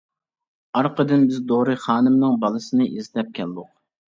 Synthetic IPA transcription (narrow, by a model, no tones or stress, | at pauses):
ɑɾqəd̪ɨnbɪzd̪oɾɨχɑːnɨmnɨŋbɑlˠɨsɨnɨʔezlɛp̚kʲʰɛld̪ʊq̚